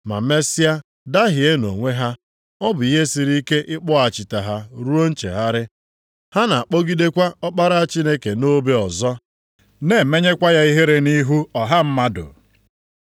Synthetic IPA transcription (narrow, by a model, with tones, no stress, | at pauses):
ma̰˨me˦si˦a˦ | da˦ɦɪ˨e˦no̰˨ŋʷe˦ɦa˦ | ɔ˦bʊ˨i˦ɦe˦si˨ɾi˦ke˦ʔɪ˦k͡pɔ˦a˨t͡ʃɪ˨ta˨ɦa˦ɾu˦o˦n̩˦t͡ʃḛ˨ɦa˦ɾɪ˦ | ha˦na˨a˨k͡po˦ɡi˦de˦kʷa˦ɔ˦k͡pa˦ɾa˦a˦t͡ʃi˦ne˦ke˨no˦be˦ɔ˨zɔ˦ | ne˨me˦ɲe˦kʷa˦ja˦i˦ɦe˦ɾe˦ni˦ɦu˦ɔ˨ɦa˦m̩˦ma˦dʊ̰˨